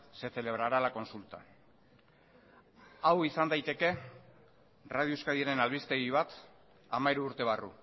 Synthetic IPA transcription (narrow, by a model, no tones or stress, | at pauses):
se̞θe̞le̞β̞ɾaɾalako̞nsult̪a | awisand̪ajt̪e̞ke̞ | rað̞ioskaðieɾe̞nalβist̪e̞ɣiβat̪ | amaiɾuːɾt̪e̞β̞arṵ